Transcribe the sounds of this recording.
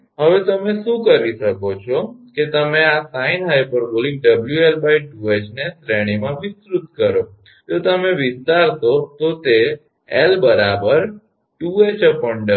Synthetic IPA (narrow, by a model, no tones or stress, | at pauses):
ɦəʋet̪əmeʃũkəɾiʃəkot͡ʃʰoket̪əmeasainɦajpəɾbolĩŋɡ̚ɖəbljuelbajʈuet͡ʃnesɾeɽ̃imãʋɪsɾut̪kəɾo | t̪ot̪əmeʋɪst̪aɾt̪ot̪ot̪e | elbəɾabəɾ | juet͡ʃəpəɳɖə